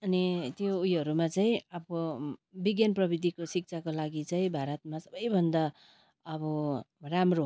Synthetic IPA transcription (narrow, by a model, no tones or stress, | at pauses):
ʌnit̪joujʌɾumat͡saĩʌbʌbiɡjanprʌbid̪ʱikosik̚t͡sʰakolaɡit͡saĩbʱaɾʌt̪̚masʌbʌjbʱʌnd̪a | ʌbʌramro